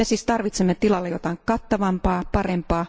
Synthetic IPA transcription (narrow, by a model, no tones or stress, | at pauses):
esiːst̪ɑrʋit̪semːet̪ilɑlːejot̪ɑiŋkɑt̪ːɑʋɑmpɑːpɑrempɑː